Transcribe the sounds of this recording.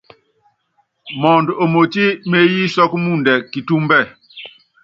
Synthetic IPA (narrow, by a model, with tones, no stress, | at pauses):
mɔ˨ndo˨mo˨ti˦me˦ji˦sɔ˦kmu˦˨ndɛ˨ki˨tu˦mbɛ˦˨